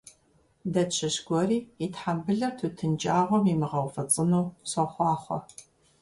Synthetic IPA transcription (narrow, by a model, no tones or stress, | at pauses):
dɐɕʰɐɕɡʷɔriːitħambɨɮɐtʰuːtʰɨnd͡ʒʼaːʁʷɔmimɨʁɐwfɐt͡sʼɨnuːsɐχʷɑːχʷɔ̰